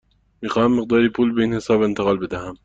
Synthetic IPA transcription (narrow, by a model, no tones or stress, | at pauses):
miːxɑːhamːɪq̚d̪ɑːɾiːpʰuːlbeinhɪsɑːbɪnt̪aqɑːlbɪd̪aham